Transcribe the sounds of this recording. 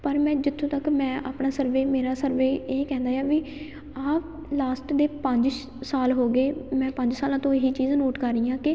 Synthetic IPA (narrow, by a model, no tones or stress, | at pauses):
pəɾmɛ̃ːd͡ʒɪt̪ʰːõːt̪əkmɛ̃ːʔa̰ːpɳaːsəɾʋeːmeːɾaːsəɾʋeːeːkɛ̃ːnd̪aːjaːʋi | aːp | laːsʈd̪eːpəɲd͡ʒ | saːlɦoːɡeːmɛ̃ːpəɲd͡ʒsaːlãːt̪õːɪɦiːt͡ʃiːznoːʈkəɾːiːãːkɪ